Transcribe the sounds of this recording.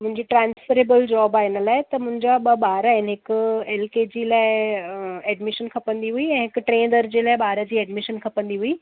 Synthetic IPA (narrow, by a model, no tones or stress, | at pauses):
mʊ̃ɦɪ̃ɲd͡ʑiːʈɾãːnsfəɾeːbəld͡ʑɔːbaːɪnəlaːɪt̪ɐmʊ̃ɦɪ̃ɲd͡ʑaɓɓaːɾaɦɪnɦɪkeːlkeːd͡ʑiːlaːɪ | ɛːɖmɪʃənkʰɐpə̃nd̪iɦuiɛ̃ːɦɪkʈɾẽːnd̪əɾd͡ʑeːlaːɪɓaːɾəd͡ʑiːɛːɖmɪʃənkʰɐpə̃nd̪iɦuiː